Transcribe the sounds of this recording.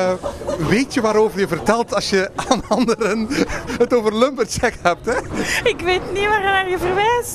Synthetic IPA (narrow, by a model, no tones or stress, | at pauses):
ʋeːtjəʋaːɾoːvərjəvərtɛlˠtɑsjəaːnɑndəɾənɦətoːvərlømpərtɛkhɛp̚tɛɪkʋeːtniʋaːxanarjəvərʋɛjs